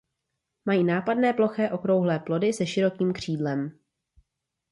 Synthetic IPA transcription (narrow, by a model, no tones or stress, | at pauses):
majiːnaːpadnɛːplo̞xɛːʔo̞kɾo̞wɦlɛːplo̞dɪsɛʃɪɾo̞kiːmkr̝̥iːdlɛm